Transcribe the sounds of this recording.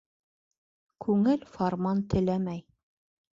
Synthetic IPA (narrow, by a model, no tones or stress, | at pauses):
kʰʉŋɘlfoɾmɑnt̪ɘ̆læmæj